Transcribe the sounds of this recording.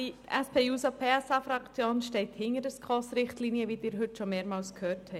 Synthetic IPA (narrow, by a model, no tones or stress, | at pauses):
iʔɛspʰeːjuːsɑpʰeːɛsɑfɾɑkt͡sjoːnʃtɛɪthɪŋəɾdəskχɔːsɾɪχtliniəvid̥ɪːɾɦʏtʃɔmeːɾmɑːlskhøːthɛ